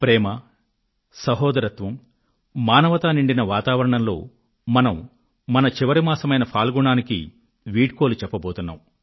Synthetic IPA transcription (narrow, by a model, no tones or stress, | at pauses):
pɾɛːmɐ | sɐɦɔːd̪ɐɾɐt̪ʋɐm | maːnɐʋɐt̪aːniɳɖinɐʋaːt̪aːʋɐɾɐɳɐmlo̞ː | mɐnɐmː | ɐnɐt͡ʃiʋɐɾimaːsɐmɐjnɐpʰaːlɡuɳaːnikḭ | ʋiːʈ̚koːlut͡ʃɛpːɐboːt̪unːa̰ːm